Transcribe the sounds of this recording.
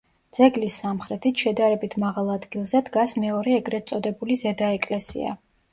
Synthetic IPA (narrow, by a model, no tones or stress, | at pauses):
d̪z̥ɛɡlisːamχɾɛt̪ʰit̪ʰʃɛd̪aɾɛbit̪ʰmaʁalˠad̪ɡilˠzɛd̪ɡasmɛɔɾɛːɡɾɛt̪sʼɔd̪ɛbulizɛd̪aɛkʼlɛsḭa̰